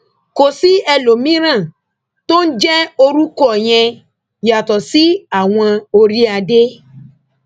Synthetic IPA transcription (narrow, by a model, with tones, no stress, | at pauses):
ko˨si˦ɛ˧lo˨mĩ˦ɾ̃ã˦˨ | to˦n̩˦d͡ʒɛ˦o˧ɾu˦kɔ˦˨j̃ɛ̃˧ | ja˨tɔ˨si˨˦a˨w̃ɔ̃˧o˧ɾi˦a˧de˦